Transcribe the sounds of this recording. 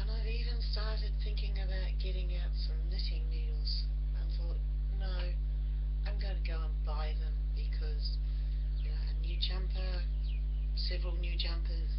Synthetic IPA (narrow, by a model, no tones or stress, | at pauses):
ə̃naɪiːvə̃nstɑɹɾɨd̪̥̚θɪ̃ŋkɪ̃ŋəbaʊt̚ɡ̥ɛɾɪ̃ŋaʊtsʌ̃mlɪɾɪ̃ŋmʉlˠz̥ | ãɪθɔˑt | noʊ | ãɪ̃mɡoʊ̃ntʰɨɡoʊə̃nbaɪðə̃mbɨkʰʌz̥ | ənjʉd͡ʒʌ̃mpʰə˞ | sɛvɹəlˠnjʉd͡ʒʌ̃mpʰəz̥